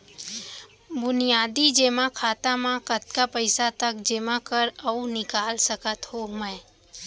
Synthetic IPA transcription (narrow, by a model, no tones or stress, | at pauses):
bʊnijaːd̪id͡ʒeːmãkʰaːt̪amãkət̪̚kapəɪsat̪ək̚d͡ʒemãkəɾəunɪkaːlsəkət̪ɦomə̃